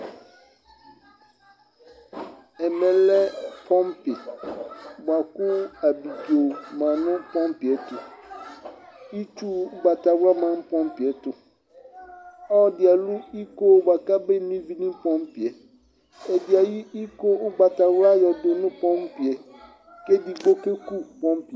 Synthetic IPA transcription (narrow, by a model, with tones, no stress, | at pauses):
ɛ˨mɛ̃˨lɛ˦pʰɔ̃˦mpɪ˨ | ba˨kʊ˦a˨bi˨bi˨o˨mã˨nʊ̃˦pɔ̃˦mpɪ˨ɛ˨tʰʊ˨ | i˦tʰu˦ba˨ta˨wɾa˦mã˨m̩˦pʰɔ̃˦m˦pɪ˨ɛ˨tʊ˨ | ɔ˦˨dɪ˨a˨lu˦i˦ko˦ba˨ka˦bɛ˦nĩ˦vi˦nĩ˦pɔ̃˦mpɪ˨ɛ˨ | ɛ˨dɪ˨a˨ji˦i˦ko˦ʊ˦ba˨ta˨wɾa˦jɛ˨dʊ˨nʊ̃˦pʰɔ̃˦mpɪ˨ɛ˨ | kɛ˦di˨ɡ͡bo˦ke˦ku˦pɔ̃˦mpi˨